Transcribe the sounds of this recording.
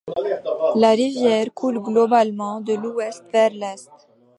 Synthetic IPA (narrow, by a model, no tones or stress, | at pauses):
laʁivjɛʁkʰulɡlɔbalmɑ̃d̪əluɛst̪vɛʁlɛst̪